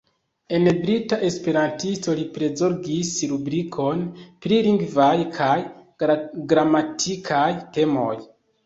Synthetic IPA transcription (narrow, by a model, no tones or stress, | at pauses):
e̞nbɾitaʔe̞spe̞ɾantisto̞lipɾe̞zoɾɡisɾubɾikʰo̞npɾiliŋɡvajkʰaj | ɡɾamatʰikʰajte̞mo̞̰j